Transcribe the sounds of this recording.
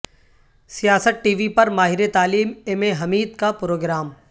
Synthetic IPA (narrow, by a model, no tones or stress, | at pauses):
sijaːsəʈ̪̚ʈiːʋipɐɾmaːɦɪɾet̪aːliːmemeɦɐmiːd̪kapɾoːɡɾaːm